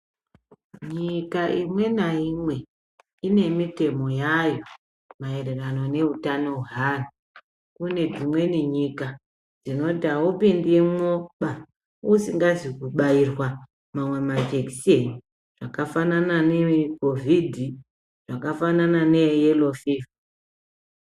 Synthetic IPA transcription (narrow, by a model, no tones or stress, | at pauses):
ɲikaʔimwe̞naimwe̞ | ine̞mite̞mo̞jajo̞ | mae̞re̞rano̞ne̞utano̞uɦaːna | kune̞d͡zimwe̞niɲika | d͡zino̞tawopindimwoɓa | usiŋɡazikuɓairwa | mamwe̞mad͡ʒeki̥seni | ʐ̥akafanananeko̞vʱidʱi | ʐ̥akafananane̞jelo̞fiv